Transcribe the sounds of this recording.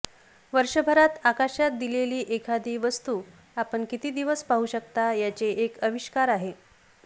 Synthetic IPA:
ʋəɾʂəbʱəɾat̪akaɕat̪̚d̪ileliːʔekʰad̪iːʋəst̪uː | apəɳkit̪iːd̪iʋəspaɦuɕəkt̪ajat͡seʔːkəʋiɕkaɾaɦe

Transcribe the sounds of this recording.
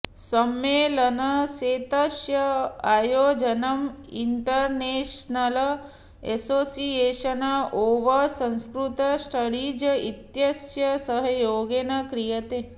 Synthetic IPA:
səmelənəset̪əʃjəajod͡ʒənəminʈəɾneʃnələ | ɛsosieʃənəʔoʋəsə̃ñskɾut̪əsʈəɽid͡ʒəit̪jəsjəsəɦəjoɡenəkɾijət̪e

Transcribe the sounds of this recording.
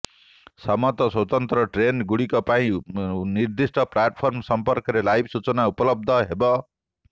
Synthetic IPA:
sʌmʌt̪ʌswʌt̪ʌnt̪rʌʈrenɡuɽikopaĩnird̪isʈʌplaʈ̚pʰʌrmsʌmpʌrkʌɾelajbsut͡sʌnaupʌlʌb̚d̪ʱʌɦebʌ

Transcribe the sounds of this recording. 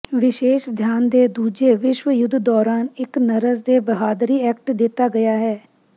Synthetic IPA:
ʋɪʃeːʃd̪ʱjaːnd̪eːd̪uːd͡ʒeːʋɪʃwəjʊd̪ʱd̪ɔːɾaːnɪknəɾəzd̪eːbəɦaːd̪ɾiːɛːk̚ʈd̪ɪt̪aːɡɐjaːɦɛː

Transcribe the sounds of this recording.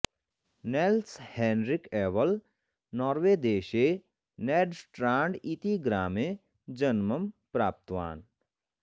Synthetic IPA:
nelshɛːnɾɪkɛːʋəl | nɔːɾʋeːd̪eːʃe | nɛːɖsʈɾãːɳɖit̪iɡɾaːmẽ | d͡ʒɐnməmpɾaːp̚t̪ʋa̰ːn

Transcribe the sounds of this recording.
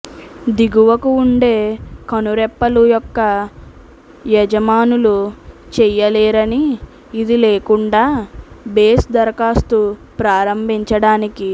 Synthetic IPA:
d̪iɡuʋɐkuːɳɖe̞ːkɐnuɾɛpːɐlujɔkːɐ | jɛd͡ʒɐmaːnulut͡ʃɛjɐlɛːɾɐniː | d̪ileːkuɳɖaːbeːsd̪ɐɾɐkaːst̪upɾaːɾɐmbʱiɲt͡ʃɐɽaːniki

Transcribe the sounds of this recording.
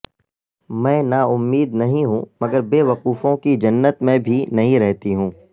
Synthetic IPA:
mɛ̃ːnaʊmːiːd̪nɐɦĩɦũmɐɡəɾbeːʋɐquːfõkid͡ʒɐnːət̪mɛ̃bʱinɐɦĩɾɛɦt̪iɦũː

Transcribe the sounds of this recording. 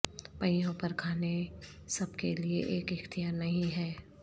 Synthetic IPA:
pɐ̃jõpɐɾkʰaːne | sɐbkelieʔeːkɪxt̪ijaːɾnɐɦĩɦɛː

